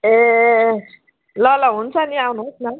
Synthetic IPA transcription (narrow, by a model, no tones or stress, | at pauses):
e | lʌlʌɦunt͡sʰʌniawnusnʌ